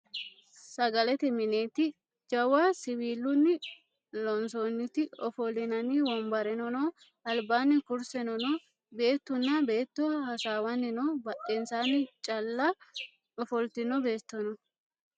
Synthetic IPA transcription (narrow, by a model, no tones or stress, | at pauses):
sɐɡɐlɛt̪ɪmɪneːt̪ɪ | d͡ʒɐwaːsɪwiːlːʊnːɪ | lɔnsoːnːɪt̪ɪɔfɔlɪnɐniwɔmbɐɾɛnɔnoː | ɐlbaːnːɪkʊɾsɛnɔnoː | be̞ːt̪ːʊnːɐbe̞ːt̪ːohɐsaːwɐnːɪnoːbɐɗɛnsaːnːɪt͡ʃʼɐlːa | ɔfɔlt̪ɪnɔbe̞ːt̪ːɔnɔ